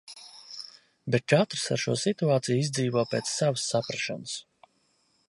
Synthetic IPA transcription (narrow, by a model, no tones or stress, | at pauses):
bet̪̚t͡ʃat̪ɾɨ̥sa̰ɾʃṵɔsit̪uaːt̪sijizʲd̪ziːvɔːpeːt̪sːavəsːapɾaʃa̰nəs